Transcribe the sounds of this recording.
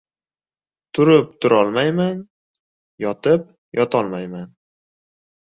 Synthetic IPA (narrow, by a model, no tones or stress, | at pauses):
t̪ʰʊɾɪp̚t̪ʰʊɾɒlˠmajman | jɒt̪ɪp̚ | jɒt̪ʰɒlˠmajman